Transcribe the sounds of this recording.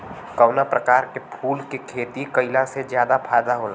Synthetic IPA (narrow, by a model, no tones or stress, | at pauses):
kɔʊnapɾəkaːɾkepʰuːlkekʰeːt̪ikəɪlased͡ʒjaːd̪apʰaːd̪aɦoːlaː